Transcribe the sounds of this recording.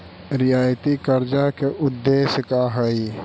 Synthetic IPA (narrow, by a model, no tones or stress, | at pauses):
ɾɪjaːjt̪ikəɾd͡ʒakeʔʊd̪ːeːʃəkaɦəi